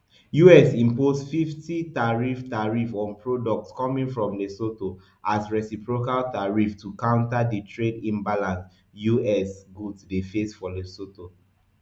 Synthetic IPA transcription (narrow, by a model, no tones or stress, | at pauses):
juɛsĩmpozfiftitaɹiftaɹifɔ̃npʰɹodɔk̚tskɔmĩŋfɹɔ̃mlesoto | ʔasɹɛsipɹokaltaɹiftʰukãʊ̃ntaditʰɹedĩnbalãns | juɛsɡudsdefesfɔlesoto